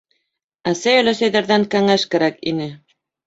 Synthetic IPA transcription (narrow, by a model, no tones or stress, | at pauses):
æsæjɘ̆læ̆sæjðæɾðæŋkæŋæʃkæɾækinɘ